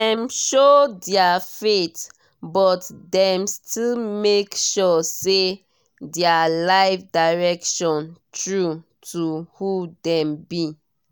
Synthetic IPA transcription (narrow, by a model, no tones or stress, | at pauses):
dɛ̃mʃodɛafet | bɔtdɛ̃mstʰilmekʃɔse | dɛalaɪfdaɹɛkʃɔ̃ntɹu | tʰuhudɛ̃mbi